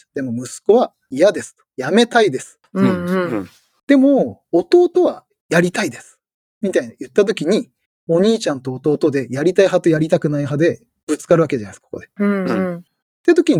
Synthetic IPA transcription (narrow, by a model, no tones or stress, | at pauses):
d̪̥e̞mo̞mɯ̟sɨ̥ko̞βa | ijad̪e̞sɨ̥t̪o̥jame̞t̪aid̪e̞sɨ̥e | d̪̥e̞mo̞ːt̪o̞ːt̪o̞βa | jaɾʲit̪aid̪e̞sɨ̥ | mʲit̪ainajɯ̟t̪ːat̪̬o̞kʲiɲ̟i | o̞ɲ̟iːt͡ɕãnt̪o̞ːt̪o̞ːt̪o̞d̪e̞jaɾʲit̪aiɦat̪o̞jaɾʲit̪akɯ̟naiɦad̪e̞ | b̥ɯ̟t͡sɨ̥kaɾɯ̟βake̞d͡ʑanaiskoko̞̰d̪e̞ | t̪ːet̪o̞kʲiɲ̟i